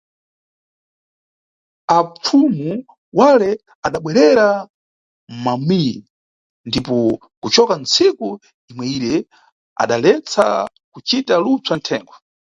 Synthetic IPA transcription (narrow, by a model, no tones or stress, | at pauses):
ap͡fʰumu | walɛ | aɗaɓwɛɾɛɾa | m̩mamiji | ndipɔ | kut͡ʃɔkan̩t͡siku | imwɛiɾɛ | a̰ɗalɛt͡sʰa̰ | kut͡ʃitalut͡santʰɛːŋɡwɔ